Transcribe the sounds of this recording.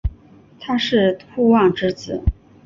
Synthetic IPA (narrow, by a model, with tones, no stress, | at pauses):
t̪ʰa˥ʂɻ̩˥˩xu˥˧wɑ˥˩ŋʈ͡ʂɻ̩˥t͡sɹ̩˨˩˦